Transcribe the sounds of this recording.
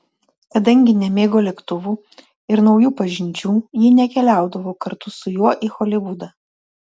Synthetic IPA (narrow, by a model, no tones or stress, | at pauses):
kɐd̪ɐŋʲɡʲɪnʲɛmʲeːɡoːlʲɛkt̪ʊʋuː | ɪɾnɒʊjuːpɐʒʲɪnʲd͡ʒʲuːjɪnʲɛkʲɛlʲæˑʊd̪ɐʋoːkɐɾt̪ʊsʊjuɔʔixɔlʲɪʋʊd̪ɐː